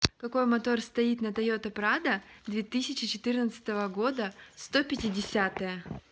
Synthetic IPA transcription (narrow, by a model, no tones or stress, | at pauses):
kɐko̞jmɐt̪o̞rst̪ɐit̪nət̪ɐjo̞t̪ɐpɾad̪əd̪vʲet̪ɨsʲɪt͡ɕɪt͡ɕɪt̪ɨrnət̪sɨ̥t̪əvəɡo̞d̪əst̪o̞pʲɪtʲɪdʲɪsʲat̪əjə